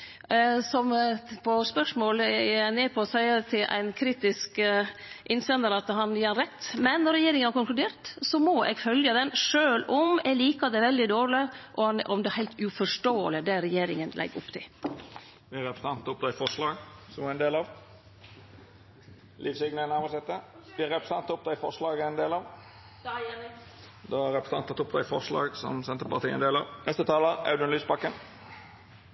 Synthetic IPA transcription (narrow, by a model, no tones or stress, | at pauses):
sɔmpʰɔspœʂmoːlneːpʰɔsæɪət̪ʰɪlʔæ̰ɪnkʰɾiːt̪ɪsk | ʔɪnsɛnəɾɑt̪ɦɑnjeːɑnɾɛt̪ːmɛnːɔɾːɛjeːɾɪŋənhɑɾkʊŋklʉd̪eːɾt̪sɔmɔʔɛ̰ɡfœljəd̪ɛnʂøːlɔmɛliːkɑd̪ɛæʋɛld̪ɪd̪oːɾɭɪʔɔhɑnʔɔmd̪ɛæɾhæɪlt̪ʉfɔʂʈoːəlɪd̪ɛɾɛjeːɾɪŋənlɛ̰ɡːʊ̰pːt̪ʰɪl | ʋɪæɾɛpɾə̥sɑnt̪ɔp̚d̪ɑɪfɔʂlɑːɡsɔmæɛnd̪eːlɑʋ | lʔiːfsɪɡnəənæʁmɑsɛt̪ːəʋɪæɾɛpɾəsɑnt̪ːʊp̚d̪ɛɪfɔʁʂlɑːɡɛnd̪eːlɑʋ̪ | d̪ɑæɾɛpɾəsɑnt̪ɑt̪ːʊp̚d̪ɑɪfɔʁʂlɑ̰ːɡsɔ̰msɛnt̪əpɑʁt̪ʰiːə̰nd̪eːlɑ̰ʋnɛst̪ət̪ʰɑːləɑ̰ʉd̪ənlyːsbɑkːən